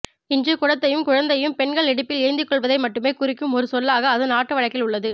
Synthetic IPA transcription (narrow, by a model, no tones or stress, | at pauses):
ɪɲd͡ʒɯkʊɻɐt̪ːɐjɯmkʊɻɐnd̪ɐjɯmpɛɳɡɐɭɛɽɯpːɪlɪɐɪnd̪ɯkːɔɭʋɐðɐɪmɐʈːɯmeːkʊɾɪkːɯmɔɾɯsɔlːaːɣɐːðɯnaːʈːɯʋɐɻɐɪkːɪlʊɭːɐðɯ